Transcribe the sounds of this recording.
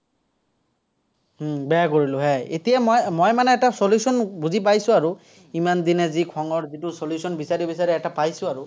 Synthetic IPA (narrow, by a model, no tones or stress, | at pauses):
ɦ̩bɛakoɹilʊɦɛḛtijamɔjmanɛːtasoljusɔnbuzip̬ajsʊ̃aɹu | imand̪inɛzikʰɔŋɔɹzitʊsoljusɔnbisaɹibisaɹiɛtapajsʊ̃aɹu